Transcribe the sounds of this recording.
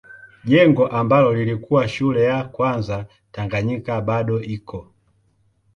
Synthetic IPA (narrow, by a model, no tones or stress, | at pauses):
ʄɛŋɡɔʔambalɔlilikuwaʃulɛjakwanza | taŋɡaɲikabaɗɔikʰɔ